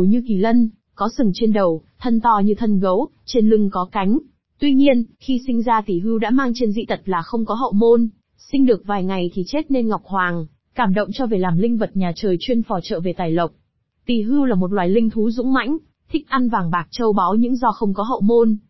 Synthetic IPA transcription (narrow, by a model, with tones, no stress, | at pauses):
wɲɨ˧ki˧˩lə˧n | kɔ˨˦sɨ˨˧˩ŋt͡ɕe˧nɗə˨˩wt̪ʰə˧nt̪ɔ˧˩ɲɨ˧t̪ʰə˧nɣə˨˦w | t͡ɕe˧nlɨ˧ŋkɔ˨˦ka˨˦jŋ̟ | t̪wi˧ɲi˧ənxi˧sï˧ŋ̟zaː˧t̪i˨˩ɦɨ˧wɗa̰ː˧˥maː˧ŋt͡ɕe˧nzḭ˧˨t̪ʰə˨˩t̚laː˨˩xə˧wŋ͡mkɔ˨˦ɦə̰˧˨wmo˧n | sï˧ŋ̟ɗɨ˨˩ək̚vaː˨˩jŋa˨˩jt̪ʰi˨˩t͡ɕe˦˥t̚ne˧nŋ˨˩wk͡p̚hwaː˨˩ŋ | kaː˧˩mɗə̰˧˨wŋ͡mt͡ɕɔ˧ve˨˩laː˨˩mlï˧ŋ̟və˨˩t̚ɲaː˨˩t͡ɕəː˨˩jt͡ɕwi˧ənfɔ˨˩t͡ɕə̰ː˧˨ve˨˩t̪aː˨˩jlə˨˩wk͡p̚ | t̪i˨˩ɦɨ˧wlaː˨˩mo˨˩t̚lwaː˨˩jlï˧ŋ̟t̪ʰu˨˦zʊ̰˧˥ŋ͡mma̰˧˥jŋ̟ | t̪ʰï˦˥k̟̚ʔa˧nvaː˨˩ŋɓaː˨˩k̚t͡ɕə˧wɓa˨˦wɲɨ̰˧˥ŋzɔ˧xə˧wŋ͡mkɔ˨˦ɦə̰˧˨wmo˧n